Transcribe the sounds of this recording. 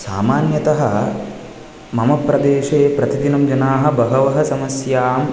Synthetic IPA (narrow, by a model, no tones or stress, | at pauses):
saːmaːnjɐt̪ɐɦɐ̆ | mɐmɐpɾɐd̪eːʃeːpɾɐt̪id̪inɐmd͡ʒɐnaːɦɐ̆bɐɦɐʋɐɦɐ̆sɐmɐsjaːm